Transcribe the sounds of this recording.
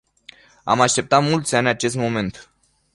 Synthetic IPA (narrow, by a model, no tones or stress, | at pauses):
a̰maʃt̪e̞p̚t̪at̪mult̪sʲanʲat͡ʃe̞st̪mo̞me̞nt̪